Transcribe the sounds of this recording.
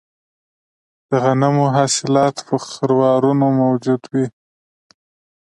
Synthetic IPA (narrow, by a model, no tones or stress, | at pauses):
d̪̥əɣanamoɦɑsɪlɑt̪pəxɪɾwɑɾunomawd͡ʒud̪wi